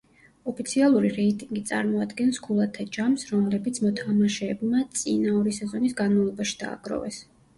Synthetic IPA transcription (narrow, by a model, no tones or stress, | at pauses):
ɔpʰit̪sʰialˠuɾiɾɛit̪ʼiŋɡit̪sʼa̰ɾmɔad̪ɡɛnskʰulˠat̪ʰad͡ʒamsɾɔmlɛbit̪sʰmɔt̪ʰamaʃɛːbmat̪sʼinaɔɾisɛzɔnisɡanmavlˠɔbaʃi̥d̪̥a̰ːɡɾɔ̰vɛs